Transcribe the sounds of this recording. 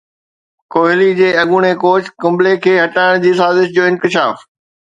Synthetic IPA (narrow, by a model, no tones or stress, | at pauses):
koːɦɪlid͡ʑeːɐɠuɽ̃ekoːt͡ɕkʊ̃mblekʰeːɦɐʈaːɪɽ̃d͡ʑiːsaːzɪʃd͡ʑoːɪ̃nkɪʃaːf